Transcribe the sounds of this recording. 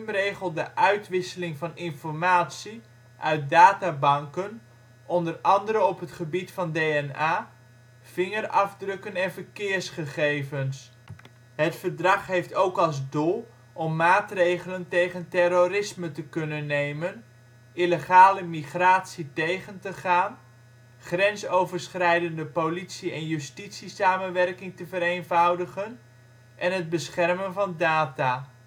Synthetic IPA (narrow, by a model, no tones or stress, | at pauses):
mrejχəlˠdəʔœɥtʋɪsəlɪŋvɑnɪnfɔrmaːtsi | ʔœɥt̚daːtabɑŋkən | ʔɔndərɑndəɾəɔpɦətχəbitfɑndeːɛnaː | fɪŋərɑvdrøkənɛnvərkɪərsχəχejvəns | ɦətfərdrɑχɦejftowkɑlˠzdulˠ | ʔɔmːaːtrejχələntejχəntɛɾorɪsmətəkɵnənːejmən | ʔiləχaːləmiχraːtsitejχəntəχaːn | χrɛnsowvəɹsχrɛjdəndəpolitsiɛnjystitsisaːmənʋɛrkɪŋtəvəɾenvɑwdəχən | ʔɛnɦəd̚bəsχɛrmənvɑndaːtaː